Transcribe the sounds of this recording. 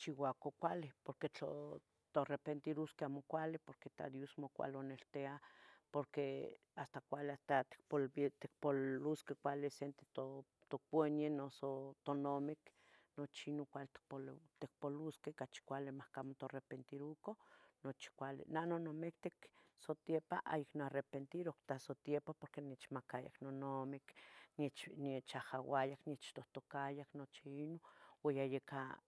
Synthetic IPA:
t͡ʃiwakokʷalepoɾket͡ɬo̰ | t̪orepent̪iɾuskeamokʷalepoɾket̪a̰d̪josmokʷa̰lonelt̪eapoɾkeast̪akʷaleat̪at̪i̥k̚polt̪ek̚pouskekʷalesent̪e̥t̪o | t̪opwenjenosot̪onomek | not͡ʃinokʷalet̪i̥kpot̪ek̚poluskekat͡ʃi̥kʷalemahkamot̪oarepent̪iɾukonot͡ʃi̥kʷalḛnanonomek̚t̪eksot̪jepaʔa̰jiknoarepent̪iɾokt̪asot̪jepapoɾkenet͡ʃmakaja̰knonomeknet͡ʃniet͡ʃahawajaknjet͡ʃt̪oht̪okajaknot͡ʃiinowejajeka

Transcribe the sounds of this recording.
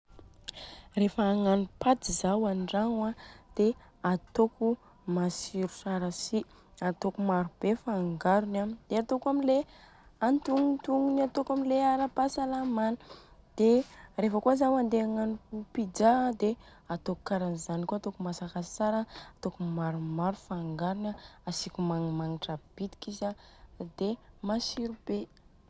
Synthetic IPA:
refaːŋanupat̪izawanɖ͡ʐaŋwad̪̥e | at̪oku | masiɾu̥saɾasi | at̪okumaɾub̥efaŋɡaɾunad̪̥eat̪okuamile | ant̪uŋut̪uŋunat̪okamileaɾapasalamanə̥ | d̪̥erefəkuazawand̪eaŋanikupid͡ʒad̪e | at̪oku̥kaɾanizanikuat̪okumasakat͡saɾaat̪okumaɾumaɾufaŋɡaɾunaasikʲumaŋimaŋiʈ͡ʂab̥it̪i̥kizad̪emasiɾub̥e

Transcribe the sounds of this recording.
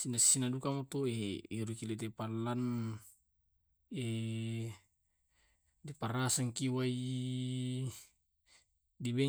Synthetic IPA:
sinassinadukamat̪oeiɾukilet̪̬epalːan | e | diparasaŋkiwai | dibɛ

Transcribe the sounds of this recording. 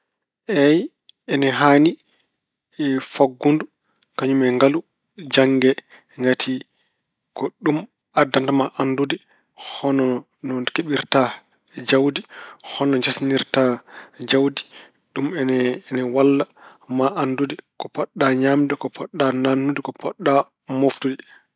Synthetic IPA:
ʔɛj | ɛnɛɦani | faɡːundu | kaɲumɛŋɡalu | d͡ʒaŋɡɛ | ŋɡatʰi | kɔɗum | adːantamaʔandudi | hɔnɔ | nɔkeɓiɾta | d͡ʒawdihɔnɔɲd͡ʒasniɾtad͡ʒawdi | ɗumɛnɛwalːa | maʔandudikɔpɔɗːaɲamdɛkɔpʰɔɗːananːudikɔpɔɗːa | moftudi

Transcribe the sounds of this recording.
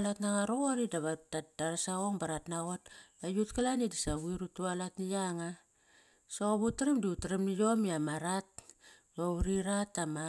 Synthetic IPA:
latnaŋaɾoɣoɾidaβadad̥aɾasaoŋbaɾatnaɣot̚ajutkalanidisaβuiɾutualatnijaŋa | soβutaɾemdiutɾemnijo̞miamaɾat̚ | bauɾiɾatama

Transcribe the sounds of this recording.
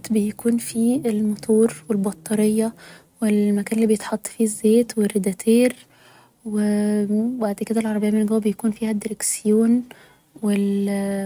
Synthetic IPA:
t̪bejækuːnfielmot̪ʰoːɾwelbɑt̪ˤːɑɾejːɑ | welmækæːnelːibejet̪ħɑt̪ˤːfiːzːeːt̪werːed̪æt̪ʰeːɾ | webaʕd̪ked̪ælʕɑɾˤɑbejːmenelɡæwæbejækuːnfiːhæd̪eɾeksjoːn | wel

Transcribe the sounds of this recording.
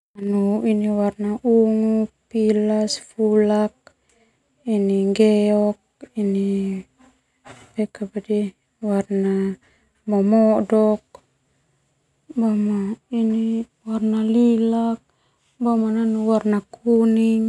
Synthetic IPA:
anuiniwarnaʔuŋupilasfulak̚ | iniŋɡɛɔk̚ini | pɛkabadi | warna | mɔmɔdɔk̚ | bamaini | warnalilak̚ | bamananuwarnakuniŋ

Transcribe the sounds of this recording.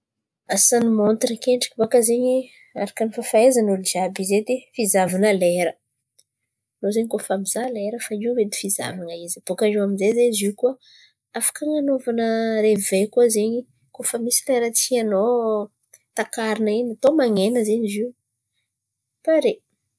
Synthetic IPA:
asanimont̪ɾəkeɳʈ͡ʂi̥kibakəzeɲi | a̰ɾakanifafaezanulizabized̪efizavanəleɾə | nozeɲikofamizaleɾəfaiwwed̪i̥fiza̰vaŋəizib̥okaʐiwaminzezezikuə | afḁkaŋanovanəɾevejkuazeɲi | kofəmisileɾət͡siano | t̪akaɾinəinat̪omaŋenəzeɲiziw | paɾe

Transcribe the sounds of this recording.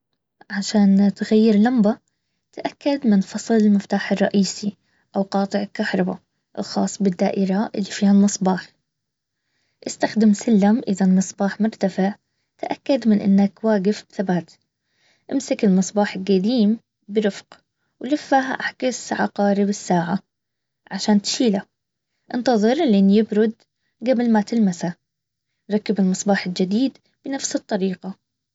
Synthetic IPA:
ʕaʃaːnt̪ɣajːɪɾlamba | t̪aʔakːad̪mɪnfɑsˤlɪlmɪft̪aːħɑrˤːɑʔiːsi | ʔawqɑːt̪ˤɨʕɪlkahɾˤɑba̰ | ʔɪlxɑ̰ːsˤːbɪd̪ːa̰ːʔɪɾaʔɪlːifiːhalmɨsˤbɑːħ | ʔɪst̪axd̪ɪmsalːamʔɪðalmɨsˤbɑːħmʊɾt̪afɪʕ | t̪aʔakːad̪mɪnʔɪ̰nːakwaːɡɪfbθabaːt̪ | ʔɪmsɪkɪlmɨsˤbɑːħɪlɡad̪iːm | bɪɾʊfq | wlɪfːaɦaʔaħkɪsʕɑ̰qɑːɾɪbɪsːaːʕa | ʕaʃaːnt̪ʃiːla | ʔɪnt̪ɑðˤɨɾˤlenjɪbɾʊd̪ | ɡablmat̪ɪlmasa | ɾˤɑkːabɪlmɨsˤbɑːħɪld͡ʒɪd̪iːd̪ | b̥ɪnafsɨt̪ˤːɑɾiːqɑ

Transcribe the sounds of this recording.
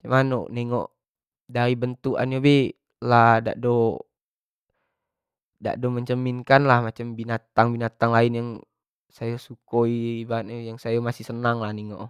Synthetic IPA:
t͡ʃamano̰niŋo̰ʔ | daɾibənt̪uʔa̰nɲobɛ | lada̰ʔdo | da̰ʔdoməɲt͡ʃəminkanlahmat͡ʃambinat̪aŋbinat̪aŋlainjaŋ | sajasukoibat̪̚ɲojaŋsajamasihsənaŋlahniŋo̰ʔ

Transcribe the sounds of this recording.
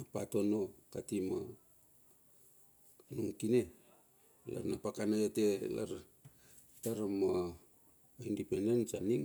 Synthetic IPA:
napato̞nokatimo̰ | nuŋkine̞ | la̰ɾnapakanajotela̰ɾ | taɾama | ojndipendensaniŋ

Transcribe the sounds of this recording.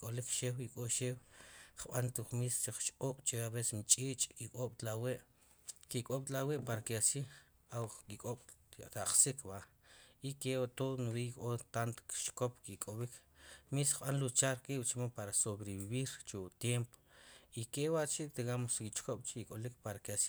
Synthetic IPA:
kʼolikʃeːwikʼoʔʃeːwχɓant̪uχmist͡ʃiχt͡ʃʼoːɓ̥t͡ʃeaβese̥smit͡ʃʼiːʔt͡ʃʼkikʼoɓ̥t̪laweʔ | kikʼoɓ̥t̪laweʔpaɾakiasiːχ | awkikʼoɓ̥t̪aʔχsikʰɓa | ikewat̪onubikʼot̪ant̪ki̥t͡ʃkopkikʼoɓikmisχɓanlut͡ʃaɾkʼiʔɓt͡ʃmopaɾasoβɾiβiβiɾt͡ʃet̪jempo̥ikewaʔt͡ʃit̪iɣamoskit͡ʃkoɓ̥t͡ʃiikʼolikpaɾakiasi

